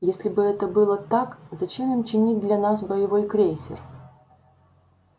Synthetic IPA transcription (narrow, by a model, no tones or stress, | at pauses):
jesʲlʲɪbɨɛt̪əbɨlˠət̪akzɐt͡ɕe̞mimt͡ɕɪnʲit̚ʲd̪lʲɐnasbəjɪvo̞jkɾʲesʲɪ̰r